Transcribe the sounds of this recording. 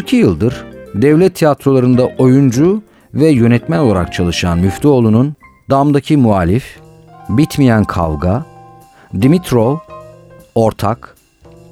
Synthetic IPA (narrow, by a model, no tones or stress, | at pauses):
ɾcʰijɯlˠd̪ɯɾd̪ɛvlʲɛt̪ʰːijat̪ɾo̞lˠaɾɯnd̪aʔo̞jund͡ʒu | vɛjø̞nɛt̪mæno̞lˠaɾa̰kt͡ʃʰalˠɯʃanmyft̪ʰio̞lˠunun | d̪amd̪acʰimuaːlʲif | bit̪mijænkʰa̰lɡa | d̪imit̪ʰɾo̞ | o̞ɾt̪ʰak